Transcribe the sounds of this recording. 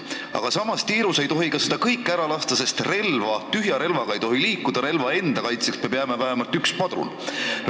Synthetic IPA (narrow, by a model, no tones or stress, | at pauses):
ɑ̰ɡ̥ɑsɑmɑst̪iːɾuse̞jt̪o̞ɦikɑse̞d̪ɑkɤjkːæɾɑlɑst̪ɑse̞st̪re̞lvɑt̪yɦjɑɾe̞lvɑɡ̥ɑe̞jt̪o̞ɦiliːkːˑud̪ɑɾe̞lvɑe̞nd̪̥ɑkɑjt̪seksmebjæmevæɦemɑlt̪ykspɑd̪ɾṵl